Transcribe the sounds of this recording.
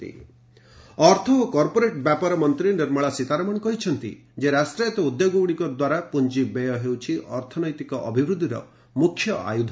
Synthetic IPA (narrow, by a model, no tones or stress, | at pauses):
t̪ḭ | ɔɾt̪ʰɔokɔɾpoɾeʈbjapaɾɔmɔnt̪ɾiniɾmɔɭasit̪aɾɔmɔɳkɔɦit͡ʃʰɔnt̪ḭ | d͡ʒeɾasʈɾiet̪ɔud̪joɡowɽ̃ikɔd̪waɾapund͡ʒibejɔɦewt͡ʃʰiʔɔɾt̪ʰɔnɔjt̪ikɔʔɔbʱibɾud̪ʱiɾɔ̰ | mukʰːjɔʔa̰jud̪ʱ